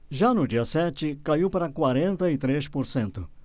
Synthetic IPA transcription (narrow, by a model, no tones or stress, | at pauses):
ʒanʊd͡ʒiɐsɛt͡ʃɪkaiwpaɾɐkwaɾẽnt̪ɐɪt̪ɾeʃpoɾsẽnt̪ʊ̰